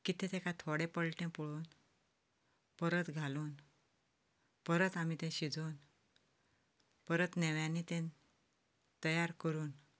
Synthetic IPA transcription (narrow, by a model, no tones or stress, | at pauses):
kit̪ɛ̃t̪ekãt̪ʰoɽepəɭʈẽpuɭuːn | pəɾət̪ɡʱaluːn | pəɾət̪amit̪ẽɕid͡zuːn | pəɾət̪nɛʋjãnːit̪ẽn | t̪əjaɾkəɾuːn